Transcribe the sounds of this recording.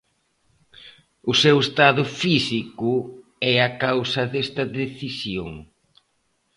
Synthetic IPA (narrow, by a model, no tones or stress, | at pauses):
ʊsewest̪aðʊfisikʊɛɐkawsɐðest̪ɐðeθisjo̰ŋ